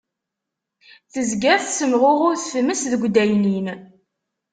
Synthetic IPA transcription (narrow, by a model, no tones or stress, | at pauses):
θəzɡæθsəmʁʊʁʊɾθfəməsðəɡʷd̪æjnin